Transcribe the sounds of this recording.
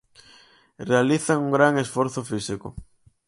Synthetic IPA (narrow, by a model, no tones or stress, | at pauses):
realiθaŋuŋɡɾaŋesfoɾθofisikʊ